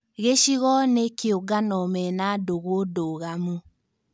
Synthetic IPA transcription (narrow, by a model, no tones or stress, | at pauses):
ɣeʃiɣɔnekeoɡanɔmɛnadoɣodoɣamu